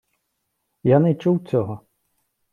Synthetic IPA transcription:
janɛt͡ʃuwt͡sʲɔɦɔ

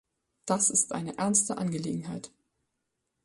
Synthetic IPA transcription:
d̥asɪstʔa̰ɪnəʔɛɐnstəʔa̰nɡəlḛːɡŋ̩ɦaɪt

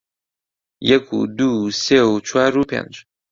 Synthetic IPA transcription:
jɛkʰṵd̪useut͡ʃʰwaɾupʰḛ̃nd͡ʒ

